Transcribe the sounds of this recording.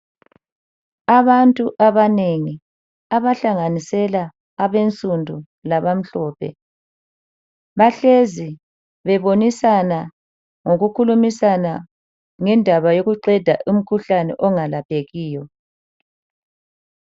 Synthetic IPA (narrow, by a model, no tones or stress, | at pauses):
aβantʼuʔaβaneŋi | aβaɬaŋanisɛlaː | βent͡sʼundʱu | laβam̩ɬɔːpʰɛ̰ | βaɬezi | βɛβonisana | ŋoɣukʰulumisana | ŋɛndʱaβajoɣuǃɛd̥ʱaʔum̩kʰuɬanɛ̰ʔɔŋalapʰeɣiːjɔ